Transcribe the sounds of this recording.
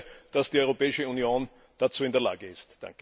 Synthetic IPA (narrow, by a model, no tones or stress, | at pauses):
d̥asd̥iɔʏʁopɛːɪʃəunjoːn | d̥at͡suːɪndeɐla̰ːɡəɪstd̥ã̰ŋkə